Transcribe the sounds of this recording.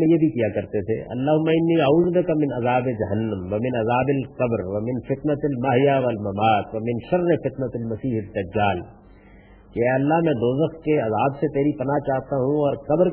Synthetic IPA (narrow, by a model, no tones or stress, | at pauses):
ẽjebʱikijakɐɾt̪et̪ʰḛʔɐ̰lːaːɦʊmːaɪnːiaːuːzbɪkamɪ̃nɐzaːbed͡ʒɐɦɐnːɐ̃mʋɐmɪ̃nɐzaːbɪlqɐbɾʋɐmɪnfɪt̪nɐt̪ɐlmaɦɪjaʋɐlmɐmaːt̪ʋɐmɪ̃nʃɐɾnefɪt̪nɐt̪lmɐsiːɦɪd̪ːɐd͡ʒːaːl | keɛːɐlːaɦmɛ̃ːd̪oːzəxkeɐzaːbset̪eːɾipɐnat͡ʃaːɦt̪aɦũɔːɾkɐbɾ